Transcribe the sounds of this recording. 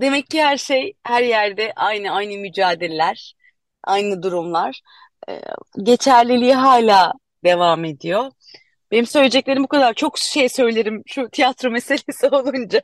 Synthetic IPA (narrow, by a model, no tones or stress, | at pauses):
d̪e̞mɛcʰːihæɾʃejhæɾjæɾd̪ɛʔajnɯajnɯmyd͡ʒaːd̪ilʲlʲæɾ̥ | ʔa̰jnɯd̪uɾumlˠaɾ̥ | ɛ̰ɟe̞t͡ʃʰæɾlʲilʲijiɦaːlʲaː | d̪̥e̞vame̞d̪ijo̞ | b̥e̞nimsølʲed͡ʒɛc̚lʲe̞ɾimbukʰad̪aɾt͡ʃʰo̞kʃe̞jsø̞jlʲe̞ɾimʃut̪ʰijat̪ɾo̞me̞se̞lʲe̞sio̞lˠund͡ʒa